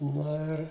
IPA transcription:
ˈnoː ɪr

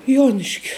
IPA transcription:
ˈjuɔnʲɪʃʲkʲʊ

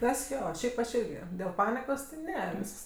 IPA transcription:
ˈtɐs ˈjoː ˈʃʲɛɪp ɐʃ ˈɪrʲɡʲɪ dʲeːlˠ ˈpɑːnʲɪkoːs tʲɪ ˈnʲɛ ˈʋʲiːsks

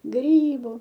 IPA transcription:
ˈɡrʲiːbʊ

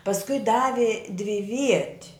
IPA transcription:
pɐsˈkʊɪ ˈdɑːʋʲɪ dʲʋʲɪˈʋʲiɛtʲ

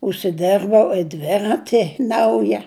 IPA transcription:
ʊʃʲsʲɪˈdʲɛrbɐʊ ɪ ˈdʲʋʲæːrɐtʲɪ ˈnɐʊjɛ

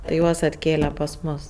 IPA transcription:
tɐɪ ˈjuɔs ɐtʲˈkʲeːlʲɛ pɐs ˈmʊs

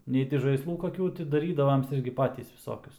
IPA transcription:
ˈnʲɛɪ tʲɪ ʒɐɪsˈlˠuː koːˈkʲuː tʲɪ dɐˈrʲiːdɐʋoːms ˈɪrʲɡʲɪ ˈpɑːtʲiːs ʋʲɪˈsoːkʲʊs

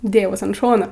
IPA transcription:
ˈdʲeːjɛʊs ɐn ˈʃoːnoː

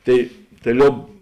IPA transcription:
ˈtɐɪ tɐɪ ˈlʲoːp

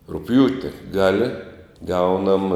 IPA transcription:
rʊkˈpʲjuːtʲɪ ˈɡɑːlʲɪ ˈɡɐʊnɐm

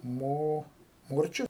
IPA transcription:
ˈmoː ˈmoːrʲt͡ʃʲʊ

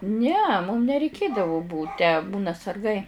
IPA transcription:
nʲɛ mʊm nʲɛrʲɛɪˈkʲeːdɐʋoː ˈbuːt tʲæː ˈbuːnɐ sɐrˈɡɐɪ

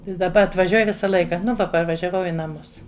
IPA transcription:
ɪ dɐˈbɐ ɐtʋɐˈʒʲuɔj ˈʋʲɪsɐ ˈlˠɐɪkɐ nʊ ˈʋɐ pɐrʋɐʒʲɛˈʋɐʊ ɪ nɐˈmʊs

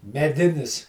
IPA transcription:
mʲɛˈdʲɪnʲɪs

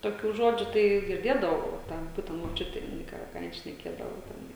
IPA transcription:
toːˈkʲuː ˈʒoːd͡ʒʲuː tɐɪ ɡʲɪrʲˈdʲeːdɐʋɐʊ oː ˈtʲɛn ˈbuːtʲɛnt moːˈt͡ʃʲʊtʲeː jɪˈnɐɪ ˈkɑː ˈkɑː ˈjɪn ʃʲnʲɛˈkʲeːdɐʋoː tʲɛˈnɐɪ

